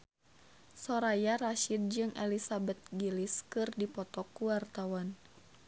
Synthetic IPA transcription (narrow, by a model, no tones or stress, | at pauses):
sɔɾajaɾaʃid̚d͡ʒɨŋʔɛlisabɛt̪̚ɡiliskɨrdipɔt̪ɔkuwart̪awan